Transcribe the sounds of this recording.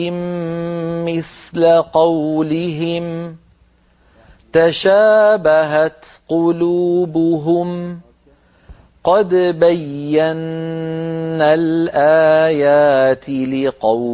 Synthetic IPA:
ɪmː | ɪθlaqɑwlɪɦɪm | t̪aʃaːbaɦat̪qʊluːbʊɦʊm | qɑd̪bajːanː | alʔaːjaːt̪ɪlɪqɑ

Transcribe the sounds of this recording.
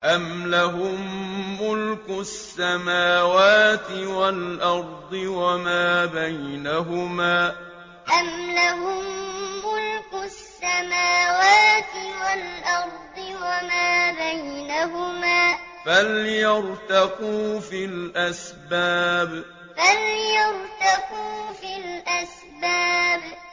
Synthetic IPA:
ʔamlaɦʊmːʊlkʊsːamaːwaːt̪ɪwalʔɑɾˤd̪ˤɨwamaːbajnaɦʊmaː | ʔamlaɦʊmːʊlkʊsːamaːwaːt̪ɪwalʔɑɾˤd̪ˤɨwamaːbajnaɦʊmaːfaljɑɾt̪aquːfilʔasbaːb | faljɑɾt̪aquːfilʔas | baːb

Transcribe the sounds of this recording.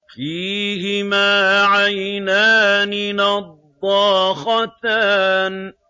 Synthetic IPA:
fiːɦɪmaːʕajnaːnɪnɑd̪ˤːɑːxɑt̪aːn

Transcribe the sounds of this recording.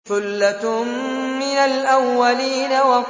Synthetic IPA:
θʊlːat̪ʊmmɪnalʔawːaliːnawa

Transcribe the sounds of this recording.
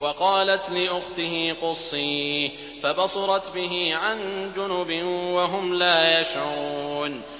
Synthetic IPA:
wɑqɑːlat̪lɪʔʊxt̪ɪɦiːqʊsˤːiː | fabɑsˤɑɾˤɑt̪bɪɦiːʕand͡ʒʊnʊbɪwaɦʊmlaːjaʃʕuuːn

